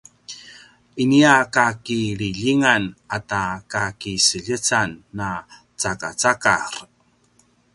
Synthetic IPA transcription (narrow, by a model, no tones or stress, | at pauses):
iniakakiɾiʎiŋanatakakisəʎət͡sanːa | t͡saka̰t͡saka̰ɾ